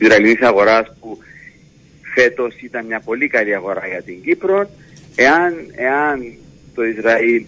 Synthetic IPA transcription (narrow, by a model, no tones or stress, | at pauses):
izɾɐilinisɐɣo̞ɾɐspu | fe̞t̪o̞sit̪ɐnmɲɐpo̞likɐliɐɣo̞ɾaʝɐt̪iɲɡipɾo̞n | e̞ɐne̞ɐn | t̪o̞izɾɐil